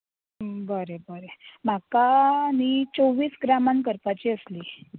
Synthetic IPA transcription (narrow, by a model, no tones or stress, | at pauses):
bəɾebəɾem̤akanit͡soʋiːsɡɾamankəɾpat͡ɕiːəsliː